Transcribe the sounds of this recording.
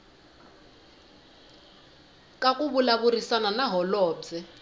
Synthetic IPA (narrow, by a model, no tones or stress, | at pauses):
kakʼuβulaβurisananaɦɔlɔːbd͡zɛ